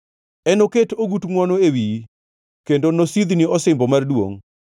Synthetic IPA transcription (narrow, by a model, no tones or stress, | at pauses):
ɛnoketoɡutŋwɔnoewiji | kendonosid̪niɔsɪmbɔmardwo̰ŋ